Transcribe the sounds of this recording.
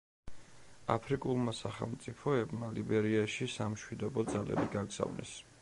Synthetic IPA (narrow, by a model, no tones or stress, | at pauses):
apʰɾikʼulˠmasaχɛ̰lˠmt̪sʼipʰɔɛbʼmalibɛɾiaʃisamʃwid̪ɔbɔd̪zalɛ̰biɡaɡz̥a̰vnʔɛ̰s